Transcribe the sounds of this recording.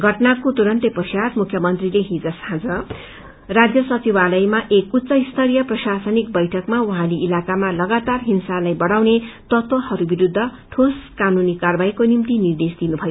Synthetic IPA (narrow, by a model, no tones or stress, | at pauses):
ɡʱʌʈnakot̪uɾʌnt̪epʌsjatmukʰjʌmʌnt̪rileɦid͡zʌshãd͡zʌ | rad͡zjʌsʌt͡sibalʌjmaʔekut̪ːt͡sʌist̪ʰʌɾijʌprʌsasʌnik̚bʌjʈʰʌkmauɦãleʔilakamalʌɡat̪arɦinsalajbʌɽawnet̪ʌt̪wʌhʌɾubiɾud̪ʱːʌ | ʈʰoskanunikarbajkonimt̪inird̪esd̪inubʱʌjo